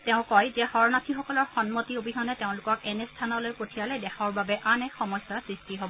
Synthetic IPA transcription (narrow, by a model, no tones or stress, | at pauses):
teʊ̃kɔjzɛhɔɹɔnatʰixɔkɔlɔɹxɔnmotiobʱiɦɔnɛteʊ̃lʊkɔkɛnɛstʰanɔlojpotʰijalɛdɛxʰaɔɹbabɛʔanɛxɔmɔjsasɹistiɦobɔ